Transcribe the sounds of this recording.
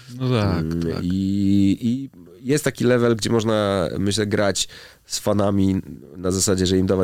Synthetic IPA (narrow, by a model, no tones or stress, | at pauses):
nɔt̪a̰i | i | jɛst̪t̪ːakʲilɛvɛlɡd͡ʑɛmɔʐna̰mɘɕlɛɡɾat͡ɕ | sfanamʲinazasad͡ʑɛʐɛimd̪ava